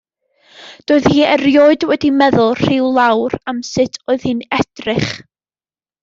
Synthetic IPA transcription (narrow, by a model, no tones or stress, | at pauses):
d̥oːɨðhiːɛrjoːɨdwɛdimɛðʊlˠr̥ɪwlˠawɾamsɨtʰoːɨð̥hɨnɛd̥rɪχ